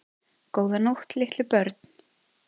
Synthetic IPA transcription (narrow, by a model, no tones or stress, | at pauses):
koːwðanowht̪lɪht̪lɪpœɾt̪n̥